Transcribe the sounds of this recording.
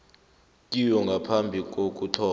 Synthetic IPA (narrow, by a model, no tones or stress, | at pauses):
k̬ʼijɔŋɡʱapʰambʱik̬ok̬ʼutʰɔː